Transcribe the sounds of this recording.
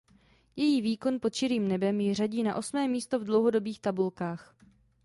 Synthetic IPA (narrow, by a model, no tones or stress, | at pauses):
jɛjiːviːko̞npo̞t̪ʃɪɾiːmnɛbɛmjɪr̝aɟiːnaʔo̞smɛːmiːst̪o̞vdlo̞wɦo̞do̞biːxt̪abulkaːx